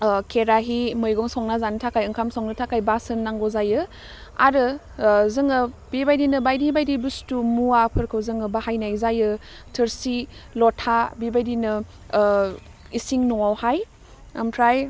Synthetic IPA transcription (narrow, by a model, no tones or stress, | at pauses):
kʰeɾaɦimɯjɡɔŋsɔŋnazantʰakajɯŋkʰamsɔŋnɯtʰakajbasɯnːaŋɡɔzajɯ | a̰ɾɯ | zɯŋɯbibajdinɯbajdibajdibustumuwapʰɯɾkʰɯwzɯŋɯbahajnajzajɯ | tʰɯɾsilɔtʰabibajdinɯ | isiŋnɔwawhaj | ɯmtʰɾaj